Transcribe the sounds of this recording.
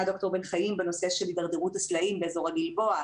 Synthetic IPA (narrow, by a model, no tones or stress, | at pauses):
ad̪o̞kt̪o̞ʁbenχajimbeno̞seʃelid̪aʁd̪eʁutaslaimbeːzo̞ʁaɡilbo̞a